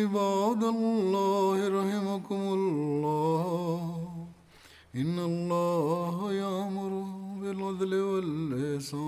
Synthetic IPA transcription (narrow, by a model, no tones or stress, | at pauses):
ɪbaːd̪alːɑːhɪɾɑhɪmakʊmʊllːɑː | ʔɪnːɐlˤːɑːɦjaʕmʊɾʊbɪlɑd̪lɪwɐlɪsaː